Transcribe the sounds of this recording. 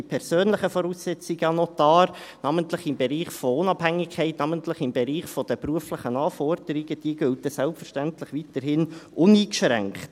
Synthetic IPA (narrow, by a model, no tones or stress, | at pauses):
ipʰɛɾsøːnləχəfɔɾuːsːɛt͡sɪɡəɑnɔt̪ɑːɾnɑməntlɪχɪmbeɾiːχfɔʊnɑphæŋːɪkʰɛɪtnɑməntlɪχɪmbɛɾiːχfɔd̥̪əpruəflɪχənɑːfɔɾd̥əɾiɡəd̥iəɡ̥ʉlt̪əsɛlpfəɾʃtæntlɪχʋitəɾhɪnʔʊniːkʃɾæ̰ŋkχt